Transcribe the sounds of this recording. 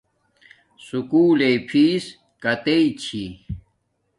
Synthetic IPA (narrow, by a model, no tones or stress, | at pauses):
sukuːlepʰiːs | kɐt̪eit͡ɕʰi